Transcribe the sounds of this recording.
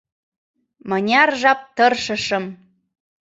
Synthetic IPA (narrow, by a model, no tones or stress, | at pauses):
mənʲɑrʒɑp̚t̪ɤrʃə̆ʃɤm